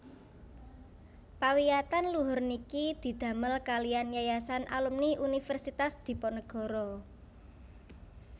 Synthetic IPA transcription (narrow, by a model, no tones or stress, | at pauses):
pawijat̪anluɦʊrnikid̪̥i̤d̪̥ä̤məlkalijanjajasanʔa̰lumniʔunifɛrsit̪asd̪̥i̤pɔnəɡ̥ɔ̤ɾɔ